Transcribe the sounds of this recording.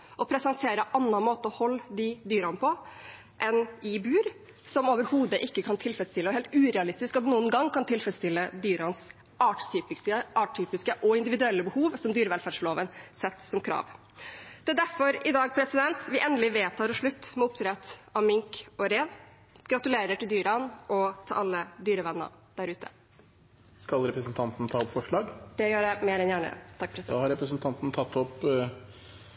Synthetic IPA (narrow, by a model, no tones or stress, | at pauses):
ʔɔpʰɾɛsɑnt̪ʰeːɾəʔɑnːɑnmoːt̪əɔhɔlːd̪ɪd̪yːɾɑnpʰɔ | ʔɛnɪbʉːɾ | sɔmoːʋəɾhuːd̪əʔɪkːəkʰɑnt̪ʰɪlfɾɛsst̪ɪlːəɔɦɛːlt̪ʉːɾɛɑlɪst̪ɪskɑt̪nuːənɡɑŋkʰɑnt̪ʰɪlfɾɛst̪ɪlːəd̪yːɾɑns | ɑːʈt̪ʰyːpɪəʔɑːʈ̚ʈʰːyːpɪskəʔɔɪnd̪ɪʋɪd̪ʉɛlːəbəhuːʋsɔmd̪yːɾəʋɛlfæːɖʂɭoːʋənsɛt̪ːsɔmkʰɾɑ̰ːʋ | d̪̥ɛːd̪æɾfɔɾɪd̪ɑːɡ̚pʰɾɛsɪd̪ɛnt̪ʋɪʔɛnd̪əlɪʋeːt̪ʰɑːɾɔʂɭʉt̪ːmɛʊpt̪ʰɾɛt̪ɑʋmʏŋkɔɾeːʋ | ɡ̥ɾɑt̪ʉleːɾəʈʰɪld̪yːɾɑnʔɔt̪ʰɑlʔɑlːəd̪yːɾəʋɛnːə̰ɾ | d̪̥æɾʉːt̪ʰə̰ | skɑlɾɛpɾəsnt̪ʰɑnt̪n̩t̪ʰɑːɔpfɔʂɭɑːɡd̪̥ɛjøːɖɛmeːɾɛnjæːɳə̰t̪ʰɑkːpʰɾɛsɑːhɑɾɛpɾəsnt̪ʰɑnt̪n̩t̪ʰɑt̪ːɔp